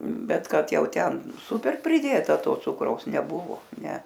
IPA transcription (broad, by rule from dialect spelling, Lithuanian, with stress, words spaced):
ˈbʲɛt ˈkɐt ˈjɛʊ ˈtʲɛn ˈsʊpʲɛr pʲrʲɪˈdʲeːtɐ ˈtoː ˈt͡sʊkrɐʊs nʲɛˈbʊʋoː ˈnʲɛ